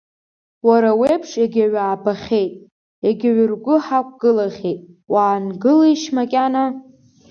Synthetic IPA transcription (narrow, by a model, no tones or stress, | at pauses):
waɾawejpʰʂaɡʲaɥaːbaχʲe̞jtʼ | aɡʲɪɥʊrɡʷʊħakʷʼɡ̥ɨlaχʲejtʼ | waːnɡɨliiʃmakʲʼana